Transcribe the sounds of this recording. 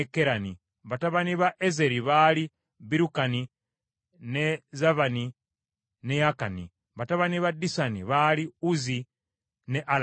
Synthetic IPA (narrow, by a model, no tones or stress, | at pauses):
ekeɾani | βataβaniβaʔeze̞ɾiβali | βiɾukani | ne̞zaβani | ne̞jakanḭ | βataβaniβadisanḭβaliuzi | ne̞ʔal